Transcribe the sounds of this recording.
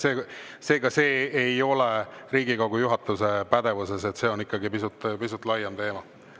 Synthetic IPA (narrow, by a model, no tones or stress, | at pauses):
seː | seːɡ̥ɑse̞ːjo̞leɾiːɡikɑwɡ̥ujuɦɑt̪ːˑuse̞pæd̪̥e̞vuse̞se̞t̪se̞ːo̞nikːˑɑɡipisut̪ːˑpisut̪ːˑlɑjɑmt̪e̞ːmɑ